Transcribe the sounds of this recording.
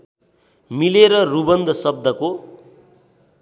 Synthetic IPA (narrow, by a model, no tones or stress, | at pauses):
mileɾʌrubʌnd̪ʱʌsʌb̚d̪ʱʌko